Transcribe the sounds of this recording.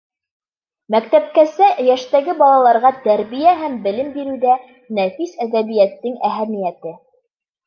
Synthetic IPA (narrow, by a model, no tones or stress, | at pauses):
mækt̪æp̚kæsæjæʃt̪æɡɘbɑlˠɑlˠɑɾʁɑt̪æɾβijæɦæmbɘ̆lɘmbiɾʉðæ | næfisæðæβijæt̪ːɘŋæɦæmijæt̪ɘ